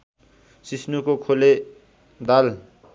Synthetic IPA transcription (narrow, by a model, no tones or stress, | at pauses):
sisnukokʰole | d̪al